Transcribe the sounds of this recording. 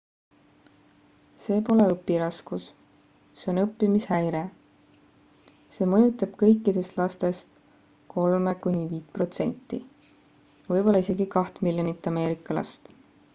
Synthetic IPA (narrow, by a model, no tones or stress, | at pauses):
se̞ːpo̞le̞ɤpːˑiɾɑskus | se̞o̞nɤpːimishæjɾe̞ | se̞ːmɤjut̪ːˑɑb̥kɤ̞jkːˑid̪̥e̞st̪lɑst̪e̞st̪ | kʰo̞lmekunʲiviːt̪̚pro̞t̪se̞̰nʲt̪ˑːi | vɤjbo̞lːɑise̞ɡikɑht̪milʲjonit̪ːˑɑme̞ːɾikːˑɑlɑ̰st̪